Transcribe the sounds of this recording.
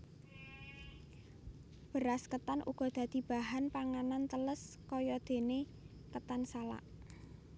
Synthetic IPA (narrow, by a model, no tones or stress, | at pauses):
b̥ə̤ɾaskət̪anʔṵɡ̥ɔ̤d̪̥ä̤d̪̥i̤b̥a̤ɦanpaŋanant̪ələs | kɔjɔd̪̥e̤ne | kət̪ansala̰ʔ